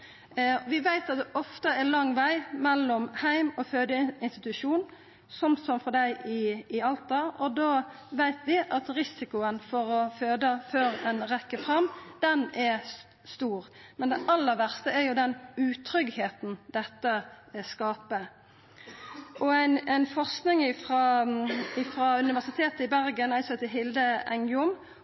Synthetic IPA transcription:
ʋɪʋæɪt̪ɑt̪̚d̪ɛʔɔft̪əɛlɑŋːʋæɪmɛlːɔmhæɪmɔføːd̪əɪnst̪ɪt̪ʉʂuːn | sɔmsɔmfɔd̪æɪʔɪɪɑlt̪ɑɔd̪oː | ʋæɪt̪ʋɪʔɑt̪ɾɪsɪkʊənfɔɾɔføːd̪əføːɾɛnɾɛkːəfʁɑmd̪̥ɛnɛ | st̪uːʁmɛnd̪ɛʔɑlːəʋæʁst̪əɛɾjʊd̪ɛnʉːt̪ʰɾʏɡheːt̪n̩d̪̥ɛt̪ːə | skɑːpə | ʔɔæɪnɛɪnfɔʁsknɪŋɪfʁɑːɪfɾɑʉnɪʋæʁsɪt̪ʰeːt̪əɪbæɾɡənæɪsɛt̪ɪɦɪld̪əɛ̰ŋʊm

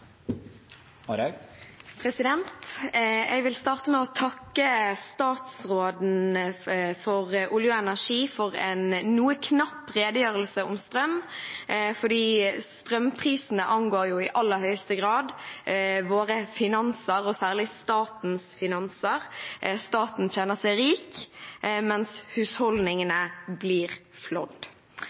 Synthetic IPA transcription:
pʰɾɛsɪd̪ɛnt̪ | ɛɡʋɪlst̪ɑːʁt̪əmɛɔt̪ʰɑkːəst̪ɑːt̪sʁoːd̪n̩ | fɔʁʔʊljʊɛnæʁʂiːfɔʁɛnːuːəkʰnɑpːʁeːd̪əjøːʁəlsəʊmst̪ʁœm | fɔd̪iːst̪ʁœmpʰʁiːsn̩əʔɑŋɡoːɾjʊɪʔɑlːəɾhœʏst̪əɡʁɑːd̪ | ʋoːʁəfɪnɑnsəɾɔsæːʁlɪst̪ɑːt̪n̩sfɪnɑnsəʁst̪ɑːt̪n̩çɛnːəsɛɪɾiːk | mɛnshʉshɔld̪nɪŋənəbliːʁflɔ̰d̪

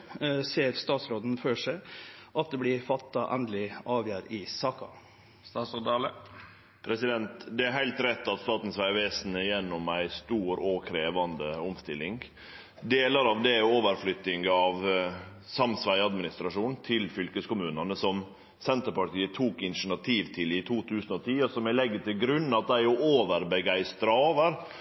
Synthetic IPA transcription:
seːəɾst̪ɑːt̪sɾoːd̪n̩føːʂæɪʔɑt̪̚d̪ɛblɪfɑt̪ːɑʔɛnd̪əlɪʔɑːʋjæːɾɪsɑːkɑ̰ | st̪ɑsod̪ɑlə | pʰɾɛsɪd̪ɛnt̪d̪ɛæɾɦæɪlt̪ɾɛt̪ːɑt̪st̪ɑːt̪n̩sʋæɪʋeːsnəjɛnːɔmæɪst̪uːɾɔkʰɾeːʋɑnd̪əʊmst̪ɪlːɪŋ | d̪eːləɾɑʋd̪ɛoːʋəɾflʏt̪ːɪŋɡɑʋ | sɑmsʋæɪɑd̪mɪnɪst̪ɾɑʂuːnnt̪ʰɪlfʏlkəskʊmʉːnɑnəsɔm | sɛnt̪əɾpɑʈʰiːət̪ʰuːkɪnʂɳ̩ɑt̪ʰiːʋt̪ʰɪlɪt̪ʰuːt̪ʰʉːsənɔt̪ʰiːɔsɔmæɪlɛɡːət̪ʰɪlɡɾʉnːɑt̪̚d̪æɪjʊoːʋəɾbəɡæɪst̪ɾɑoːʋəɾ

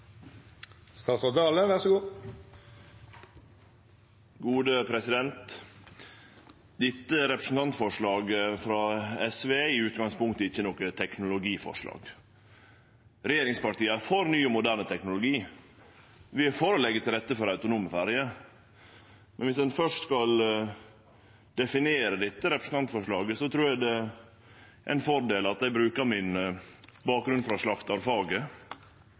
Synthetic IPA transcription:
st̪ɑːsɔd̪ɑːləʋæʁʂɔɡuː | ɡuːd̪əpʰɾɛsɪd̪ɛnt̪ | d̪ɪt̪ːəɾɛpɾəsn̩t̪ɑnt̪fɔʂɭɑːɡfɾɑːɛsʋeːɪʉːt̪̚ɡɑŋspʊŋkt̪əɪçːənɔkət̪ʰɛknʊlʊɡiːfɔ̰ʂlɑ̰ːɡ̥ | ɾɛjeːɾɪŋspɑʈ̪iːəfoːɾnyːʊmʊd̪æːɾɳət̪ʰɛknʊlʊɡiː | ʋɪfoːɾəlɛɡːət̪ɪlɾɛt̪ːəfɔɾɑʉt̪ʊnuːməfæːɾjə | mɛnʋɪsd̪ɛnfœʂʈskɑl | d̪̥ɛfɪneːɾəd̪ɪt̪ːəɾɛpɾəsn̩t̪ɑnt̪əfɔʂɭɑːɡəsɔt̪ʰɾuːɾjæd̪ɛ | ʔæ̰ɪnfɔɾɖ̪eːlɑt̪̚d̪æɪbɾʉːkəmɪn | bɑːk̚ɡɾʉnfɾɑʂɭɑkt̪ɑɾfɑːɡə

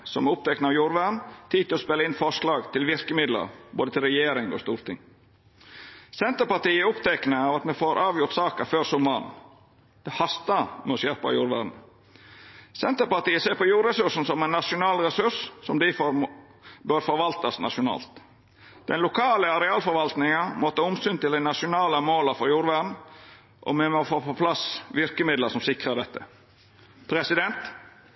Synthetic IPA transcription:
sɔmɛʊp̚t̪ʰɛknəɑʋjuːɾʋæɖɳn̩t̪ʰiːd̪t̪ɪlɔspɛlːəɪnfɔʂlɑːɡt̪ʰɪlʋɪɾkəmɪd̪lə̰ɾbo̰ːd̪ət̪ʰɪlɾɛjeːɾɪŋɔ̰st̪uːɾt̪ʰɪ̰ŋ | sɛnt̪əɾpɑʈ̪iːʊpt̪ʰɛknəɑːʋɑt̪mɛfoːɾʔɑːʋjʊɾt̪sɑːkəføːɾsʊmːɑːn | d̪̥ɛhɑst̪əmɛɔsjæɾpɑ̰juːɾʋæ̰ɖn̩ | sɛnt̪əɾpɑɾt̪iːəseːɾpɔjuːɾʁɛsʉʂn̩sɔmɛɪnːɑʂʊnɑːlɾɛsʉɾssɔmd̪ɪfɔ | bœɾfɔɾʋɑlt̪ɑsnɑ̰ʂʊnɑ̰ːlt̪ | d̪̥ɛnlʊkʰɑːləɑɾɛɑːlfɔɾʋɑlt̪nɪŋɑmɔt̪ʰɑːʊmsyːnt̪ɪld̪æɪnɑʃʊnɑːləmoːləfɔɾjuːɾʋæd̪n̩ | ʔɔ̰mɛmɔfoːpʰɔpʰlɑsʋɪɾkəmɪd̪ləsɔmsɪkɾəd̪ɛt̪ːə | pʰɾɛsɪd̪ɛnt̪

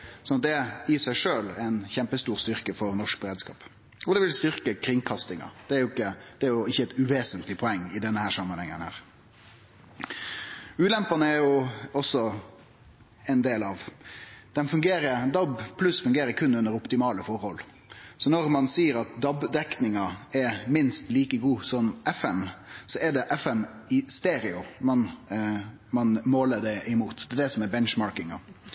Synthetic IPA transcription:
sɔnɑt̪̚d̪ɛɪsæɪʂøːlæɪnçɛmpəst̪uːʁst̪ʏʁkəfɔɾnɔʂk̚bəɾeːd̪skɑ̰ːp | ɔd̪ɛʋɪlst̪ʏʁkəkʰɾɪŋkʰɑst̪ɪŋɑ̰d̪̥ɛæɾjʊɪkːəd̪̥ɛæɾjʊɪçːəɛt̪ʉʋeːsənt̪lɪpʰɔɛŋːɪd̪ɛnːəhæːɾsɑmːənhɛŋːənhæ̰ːɾ | ʉːlɛmpɑnəæɾjʊɔsːɔ | ɛɪnd̪eːlɑʋd̪̥ɛnfʉŋɡeːɾəɾd̪ɑbpʰlʉsfʉŋɡeːɾəɾkʰʉnːʉnːəɾʊpt̪ɪmɑːləfɔɾhɔl | sɔnɔɾmɑnsiːəɾɑt̪̚d̪ɑbd̪ɛknɪŋɑɛmɪnst̪liːkəɡuːsɔmʔɛfɛmsɔɛɖ̪ɛʔɛfɛm | ɪst̪eːɾɪʊmɑn | mɑnmoːləd̪ɛɪmuːt̪d̪ɛːd̪ɛsɔmɛbɛnʃmɑːɾkɪŋɑ̰

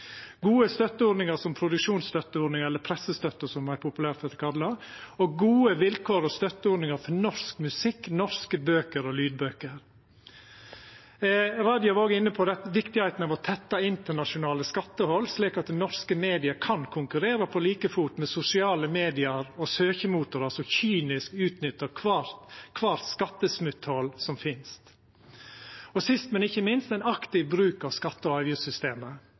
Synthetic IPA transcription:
ɡuːəst̪œt̪ːəoːɾnɪŋəɾsɔmpʰɾʊd̪ʉkʂuːnst̪œt̪ːəoːɾɖ̪nɪŋɛlːəɾpʰɾɛsəst̪œt̪ːəsɔmæɪpʰʊpʉlæːɾt̪ɛt̪əkʰɑd̪lɑoɡuːəʋɪlkʰoːɾɔst̪œt̪ːəoːɖnɪŋəɾfɔnɔɾskmʉsɪkːnɔskəbøːkəɾɔlyːd̪̚bøːkəɾ | ɾɑːd̪jʊʋɑɾoːɡəɪnːəpʰɔd̪ɛt̪ʋɪkt̪ɪhæɪt̪nɑʋɔt̪ʰɛt̪ːɑɪnt̪əɳɑʂʊnɑːləskɑt̪ːəhɔlːsliːkɑt̪̚d̪ɛnɔɾskəmeːd̪ɪəkʰɑnkʰʊŋkʉɾeːɾəpʰɔliːkəfut̪mɛsʊsɪɑːləmeːd̪ɪəɾɔsøːçəmuːt̪ʊɾɑsɔçyːnɪskʉːt̪nʏt̪ːəɾkʰː | kʰʋɑːɾskɑt̪ːəsmʉt̪hɔlːsɔmfɪnst̪ | ɔsɪst̪mɛnɪçːəmɪnst̪æɪnɑkt̪ɪʋbɾʉːkɑʋskɑt̪ːəɔɑʋjʉsʏst̪eːmə

